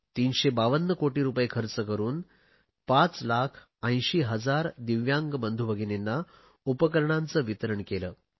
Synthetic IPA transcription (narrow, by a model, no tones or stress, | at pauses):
t̪iːnɕebaʋənːəkoʈiːɾupəjekʰəɾt͡səkəɾuːn | pat͡slakʰ | ə̃j̃ɕiːɦəd͡zaɾd̪iʋjaŋɡbənd̪ʱubəɡʱinenːa | upəkəɾɳant͡səːʋit̪əɾəɳkelə̰ː